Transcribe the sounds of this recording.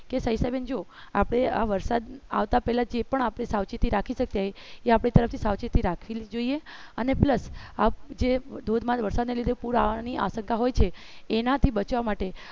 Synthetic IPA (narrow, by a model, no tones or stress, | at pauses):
kesəisajbend͡ʒo | apɽ̃eaʋəɾsad̪a̰ʋt̪apɛɦlad͡ʒepəɳapɽ̃esawt͡ʃit̪iɾakʰiʃək̚t̪aɦeeapɽ̃it̪əɾəft̪ʰisawt͡ʃit̪iɾakʰʋild͡ʒoieənepləsad͡ʒed̪ʱod̪ʱmãʋəɾsad̪nelid̪ʱepuɾaniʔa̰səŋkaɦojt͡ʃʰeːnat̪ʰibət͡ʃʋamaʈe